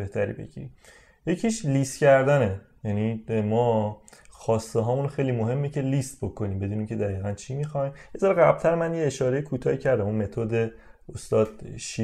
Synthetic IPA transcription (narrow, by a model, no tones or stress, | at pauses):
be̞ht̪ʰæɾḭːbḛɡḭɾḭm | je̞cʰiʃlist̪cæɾd̪ænejænimɒːxɒːst̪eɦɒːmunxe̞jlimoɦe̞mːecʰe̞list̪̚bo̞kʰo̞niːmbe̞d̪uːnimcʰe̞d̪æɣiːɣænt͡ʃʰimixɒjmjezɒːɾɣæb̥̚t̪ʰæɾmænjeːʃɒːɾe̞jikʰuːt̪ʰɒːicʰæɾd̪æmunme̞t̪ʰod̪e | ost̪ɒːd̪̥ʃi